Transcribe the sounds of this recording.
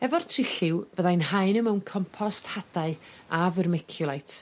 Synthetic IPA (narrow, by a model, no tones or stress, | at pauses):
ɛvɔrtʰrɪɬɪwvəðajnɦaɨnəmɛwnkʰɔmpʰɔsthadaɨ | avərmɛkʰjʊlˠajtʰ